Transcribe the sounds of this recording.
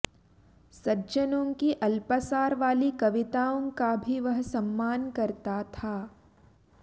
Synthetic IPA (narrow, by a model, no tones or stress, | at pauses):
sɐd͡ʒənõːkiʔɐlpəsaːɾʋaːlikɐʋɪt̪aːõkabʱiʋɐɦsɐ̃mːaːnkɐɾt̪at̪ʰaː